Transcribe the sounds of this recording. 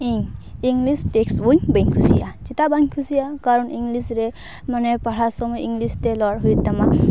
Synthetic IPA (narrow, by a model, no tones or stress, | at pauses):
iŋiŋɡlisʈekswuɲbeŋkʰusḭja̰t͡ʃit̪abaŋkʰusijakaɾɔniŋɡlisɾɛ | manɛpaɽasɔmɔjiŋɡlistɛlɔɾɦujt̪ama